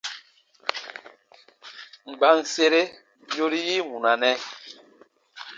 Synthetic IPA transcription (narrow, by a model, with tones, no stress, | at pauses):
ŋ͡mɡ͡ba˨n˨se˦ɾe˦ | jo˦ɾi˦ji˦ŋũ˨na˨nɛ˦